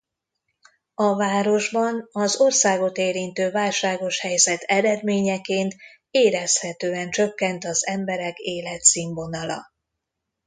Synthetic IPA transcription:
ɒvaːɾo̞ʒbɒnɒzo̞rsaːɡo̞t̪eːɾint̪øːvaːlʃaːɡo̞ʃhɛjzɛt̪ʰɛɾɛd̪meːɲɛkeːnt̪ | eːɾɛshɛt̪øːɛnt͡ʃø̞kːɛnt̪ɒzɛmbɛɾɛkeːlɛt̪siːɱvo̞nɒlɒ̰

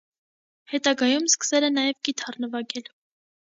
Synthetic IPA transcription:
hɛt̪ɑɡɑjumskə̥sɛlɛnɑjɛvɡit̪ʰɑrnəvɑɡɛl

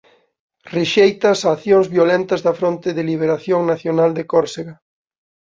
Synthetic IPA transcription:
reʃejt̪ɐsaːθjoŋzβjolent̪ɐzðɐfɾont̪ɪðeliβ̞eɾaθjoŋnaθjonald̪ekoɾseɣa

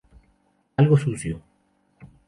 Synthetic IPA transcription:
alɣosuθjo

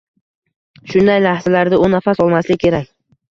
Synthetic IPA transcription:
ʃʊnd̪ajlahz̥alaɾd̪aʊnːafasɒlˠmaslɪkʰʲe̞ɾakʲ

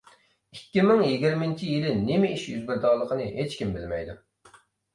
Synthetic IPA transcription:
ikʲːimɪŋjiɡʲiɾmɪnt͡ʃʰijilɪnemɪiʃjyzbɪɾd̪ɑːlˠːəqʰənɨɦet͡ʃkʲimbɪlmɛjd̪u

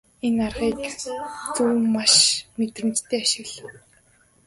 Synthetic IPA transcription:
enarʁiːkt͡suːmːaʃmet̪rɘ̆mt͡ɕt̪ʰeːaʃɪ̆ɣɮə̆

